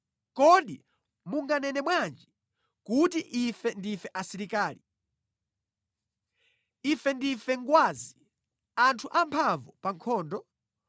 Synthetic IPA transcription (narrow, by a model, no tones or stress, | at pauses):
kɔɗḭ | muŋɡanɛnɛmwand͡ʒi | kutiʔifɛndifɛʔasiɾikaːli | ifɛndifɛŋɡwaːzi | antʰuʔampʰavɔpaŋkʰɔːndɔ